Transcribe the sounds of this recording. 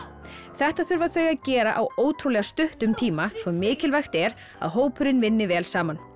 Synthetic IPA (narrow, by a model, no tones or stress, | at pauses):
θɛht̪aθʏɾvaðθœɥjaðcɛːɾaʔawoːwt̪ʰɾuwlɛɣast̪ʏht̪ʏmt̪ʰiːmasvɔmɪːcɪlvajxt̪ɛɾ | a̰ðɦoːwpʰʏɾɪnvɪnːɪvɛːlsaːman